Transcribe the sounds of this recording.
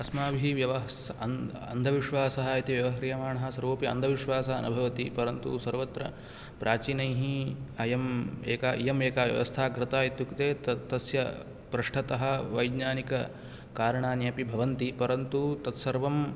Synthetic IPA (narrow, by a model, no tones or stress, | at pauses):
ɐsmaːbʱiiʋjɐʋɐɦ | ɐn | ɐ̰nd̪ʱɐʋiʃʋaːsɐɦɐit̪iʋjɐʋɐɦɐɾjɐmaːɳɐɦɐ̆sɐɾʋoːpiɐ̰nd̪ʱɐʋiʂʋaːsɐɦɐɐ̰nubʱɐʋɐt̪ipɐɾɐnt̪ṵsɐɾʋɐt̪ɾɐ̰ | pɾʔaːt͡ʃiːnɐjɦiɐjɐmeːkaːʔḭjɐmeːkaːʋjɐ̰ʋɐ̰st̪ʰaːkɾɪt̪aːjit̪jukt̪eːt̪t̪ɐsjɐ | pɾɐʂʈʰɐt̪ɐɦɐ̆ʋɐjɡɲaːnikɐ | kaːɾɐɳaːnjɐpibʱɐʋɐnt̪ipɐɾɐnt̪ut̪ɐt̪sɐɾʋɐm